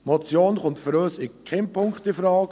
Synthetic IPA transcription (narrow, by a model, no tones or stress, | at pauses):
mot͡sjoːnχʊntfəɾøːsɪkʰɛnpʰʊŋkχtɪfɾɑːk